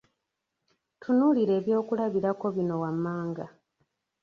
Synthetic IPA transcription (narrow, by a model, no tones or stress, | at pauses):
tʰunuliɾe̞ːβjo̞ːkulaβiɾako̞βino̞wamːaːŋɡa